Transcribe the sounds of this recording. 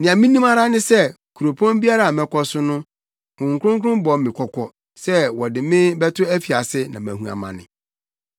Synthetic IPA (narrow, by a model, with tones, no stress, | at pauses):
nɪ̃˨ã˨mĩ˦nĩ˦ma˦ɾa˦nɪ̃˦sɛ˦˨ | kʰu˨ɾo˨pʰɔ̃˦mbi˦a˦ɾa˨mɛ̃˨kʰɔ˦sʊ˦nʊ̃˦ | kʊ̃˨ŋ̩˨kʰʷʊ̃˦ŋk̬ʰʊ̃˦mbɔ˨mɪ̃˨kʷʰɔ˨kʰɔ˨ | sɛ˦wɔ˨dɪ˨mɪ̃˦bɛ˦tʰʊ˦æ˦fi˨a˨sɪ˦nã̰˨mæ̰̃˨hũ˨a̰˨mã̰˨nɪ̰̃˨